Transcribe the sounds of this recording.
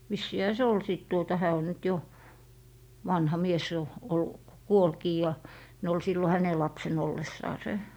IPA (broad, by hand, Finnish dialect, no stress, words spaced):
ʋisːiːhæ se ol siˑt tuotɑ hæː o nyt jo ʋɑnhɑ mies jo olːu kuolkiː jɑ ne ol silːo hæne lɑpsen olːesːɑːse